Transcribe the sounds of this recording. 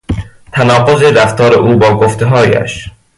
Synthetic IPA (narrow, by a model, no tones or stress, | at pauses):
t̪ʰænɒːqo̞zeɾæft̪ʰɒːɾeʔuːbɒːɡoft̪ʰeɦɒːjæ̰ʃ